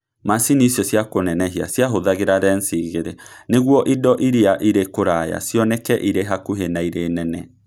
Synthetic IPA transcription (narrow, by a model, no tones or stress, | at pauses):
masinisjɔsjakonɛnɛɦia̰sjaɦoðaɣeɾaɾɛnsiɣeɾeneɣwɔʔidɔʔiɾiaʔiɾekoɾaja̰sjɔnɛkɛʔiɾeɦakuɦenaiɾeːnɛnɛ